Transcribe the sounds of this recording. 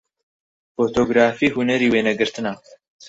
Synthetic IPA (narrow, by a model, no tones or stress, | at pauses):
fot̪ʰoːɡɾaːfiːhunɐɾiːweːnɐɡɨɾt̪ɨnɐ